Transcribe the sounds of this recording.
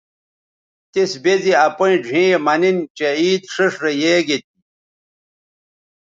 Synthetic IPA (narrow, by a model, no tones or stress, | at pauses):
t̪isbeziɐpoĩɖʱĩːmɐnint͡ɕeiːd̪ʂiʂɾejeːɡet̪̚i